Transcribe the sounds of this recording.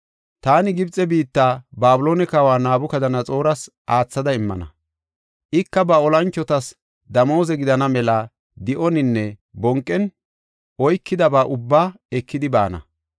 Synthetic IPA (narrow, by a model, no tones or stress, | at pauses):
t̪aːnɪɡɪbt͡sʼːɛbiːt̪ːaːbaːbʊlo̞ːnɛkɐwaːnaːbʊkɐd̪ɐnɐt͡sʼo̞ːɾɐs | ʔaːt͡sːɐd̪ɐɪmːɐ̰nɐ̰ | ʔɪkːɐbɐɔlɐnt͡ʃːɔt̪ɐs | d̪ɐmo̞ːzɛɡɪd̪ɐnɐmɛlɐ | d̪ɪʔɔnɪnːɛbɔŋkʼːɛn | ɔjkʰːɪd̪ɐbaːʔʊbːaː | ɛkːɪd̪ɪba̰ːnɐ̰